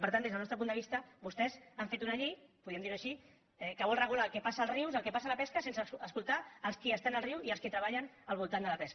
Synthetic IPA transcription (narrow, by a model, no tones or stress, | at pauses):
pəɾt̪and̪ezðəlnɔst̪ɾəp̬und̪əβist̪əβust̪ɛzaɱfet̪unaʎipuðiəmnd̪iɾnuəʃi | ɛkəβɔlrəɣ̞ulaːlˠkɛpasaːlˠzriwzəlˠkɛpasalɐpɛskəsensəːskulˠt̪aːlskiəst̪anəlˠriwiəlskit̪ɾəβaʎən | əlβ̞ulˠt̪and̪əlɐpɛsk